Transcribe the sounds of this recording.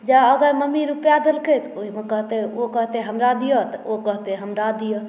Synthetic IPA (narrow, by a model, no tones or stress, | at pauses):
d͡ʒaəɡaməmiɾupjad̪elkət̪oɦimekəɦt̪eokəɦt̪eɦəmɾad̪ijot̪okəɦt̪eɦəmɾad̪ijo